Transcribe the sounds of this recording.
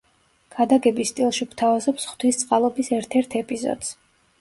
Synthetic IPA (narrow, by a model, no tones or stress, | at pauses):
ɡ̥ad̪aɡɛbist̪ʼilˠʃikt̪ʰavazɔpsχt̪ʰwist̪sʼqʼalˠɔbisɛɾt̪ʰɛɾt̪ʰɛpʼizɔ̰d̪z̥